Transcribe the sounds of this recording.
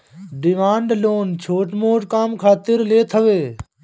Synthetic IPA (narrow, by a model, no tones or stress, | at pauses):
ɖɪmaːɳɖloːnt͡ʃʰoːʈmoːʈkaːmkʰaːt̪ɪɾleːt̪ʰəʋeː